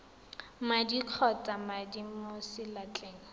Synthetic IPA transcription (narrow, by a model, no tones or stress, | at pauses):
madiq͡χʰɔt͡samadimosɪlat͡ɬʼeːŋ̩